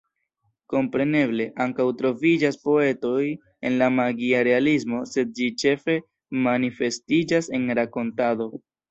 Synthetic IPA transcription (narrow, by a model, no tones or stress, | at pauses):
ko̞mpɾe̞ne̞ble̞ʔaŋkawtɾo̞vid͡ʒaspo̞e̞to̞j | e̞̰nlamaɡiaɾe̞alis̬mo̞se̞d̚d͡ʒit͡ʃe̞fe̞ | manife̞stid͡ʒase̞nɾako̞ntado̞